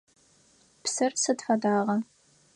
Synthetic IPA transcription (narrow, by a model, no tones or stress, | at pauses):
psɐrsɐdfɐdaːʁɐ